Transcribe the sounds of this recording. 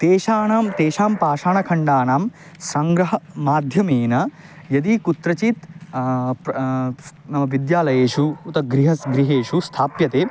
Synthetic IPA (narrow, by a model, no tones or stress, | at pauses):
t̪eːʃaːnaːmt̪eːʃaːmpaːʂaːɳɐkʰɐɳɖaːnaːm | sɐŋɡɾɐɦɐmaːd̪ʱjɐmeːnɐ | jɐd̪ikut̪ɾɐt͡ʃit̪ | nɐmɐʋid̪jaːlɐjeːʃuːt̪ɐɡɾiɦɐsɡɾiɦeːʃust̪ʰaːpjɐt̪eː